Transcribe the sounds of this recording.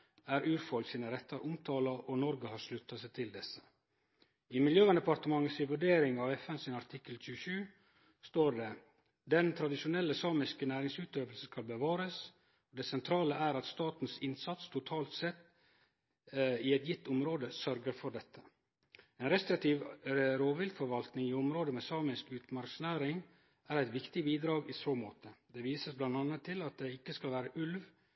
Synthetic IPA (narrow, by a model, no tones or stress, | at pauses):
æːɾʉːɾfɔlksiːnəɾɛt̪ːɑɾʔʊmt̪ʰɑːlɑʔɔnɔɾɡəhɑɾʂlʉt̪ːɑsɛɪt̪ʰɪld̪ɛsːə̥ | ɪmɪljøːʋɑnd̪əpɑɾt̪əmɑŋːəsɪʋʉɖeːɾɪŋɑʋɛfɛnsɪnɑɾt̪ʰɪkːəlc͡çʉːəʃʉː | st̪oːɖɛ | d̪ɛnt̪ʰɾɑd̪ɪʃʊnɛlːəsɑːmɪskənæːɾɪŋsʉːt̪øːʋlsəskɑlbəʋɑːɾəs | od̪ɛsɛnt̪ʰɾɑːləæɾɑt̪st̪ɑːt̪n̩sɪnsɑt̪st̪ʰʊt̪ʰɑːlt̪sɛt̪ː | ɪɛt̪jɪt̪ʰːʊmɾoːd̪əsœɾɡəɾfɔɖɛt̪ʰːə̥ | eːnɾɛst̪ɾɪk̚t̪ʰiːʋɾoːʋɪlfɔɾʋɑlt̪nɪŋiːʊmɾoːd̪əmeːsɑːmɪskʉːt̪mɑɾksnæːɾɪŋ | æːɾæɪt̪ʋɪkt̪ɪbiːd̪ɾɑːɡɪsoːmoːt̪ʰəd̪ɛʋiːsəsblɑnd̪ɑnət̪ʰːɪlɑt̪̚d̪ɛɪkːəskɑlʋæːɾəʔʉlʋ